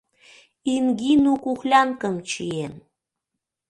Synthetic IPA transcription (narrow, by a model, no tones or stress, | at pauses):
inɡinukuxlʲɑnkəmt͡ɕien